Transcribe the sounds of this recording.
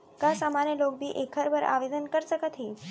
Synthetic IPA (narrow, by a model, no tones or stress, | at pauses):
kasamanjəlok̚biːʔekʰəɾbəɾa̰ʋed̪ənkəɾsəkət̪ʰɦi